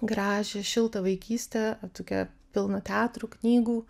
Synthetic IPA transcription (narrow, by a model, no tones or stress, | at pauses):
ɡɾɑːʒʲeːʃʲɪlˠt̪ɐʋɐɪkʲiːsʲt̪ʲɛt̪oːkʲɛ | pʲɪlˠnot̪ʲɛæːt̪ɾuːknʲiːɡuː